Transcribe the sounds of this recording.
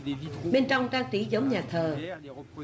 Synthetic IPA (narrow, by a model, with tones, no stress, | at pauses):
ɓe˧nt͡ɕɔ˧wŋ͡mkaː˧ŋt̪i˧˨˦zə˨˦wŋ͡mɲaː˨˩t̪ʰəː˨˩